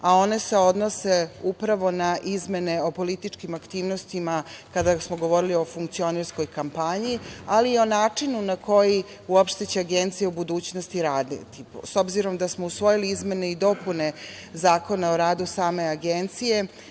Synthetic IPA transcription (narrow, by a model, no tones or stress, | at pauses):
ao̞ne̞se̞o̞d̪no̞se̞upɾaʋo̞naʔizme̞ne̞o̞po̞lit̪it͡ʂkimakt̪iːʋnost̪imakad̪asmo̞ɡo̞ʋo̞ɾilio̞fuŋkt̪sio̞neɾsko̞jkampaɲialiːo̞naːt͡ʂinunako̞ji | uopʃt̪et͡ɕeaɡent̪sijeubud̪uːt͡ɕnost̪iɾaːd̪nḛt̪ipo̰so̞bziɾo̞md̪asmousʋo̞jiliizme̞ne̞id̪o̞pune̞zaːko̞naoɾaːd̪usaːme̞aɡent̪sije̞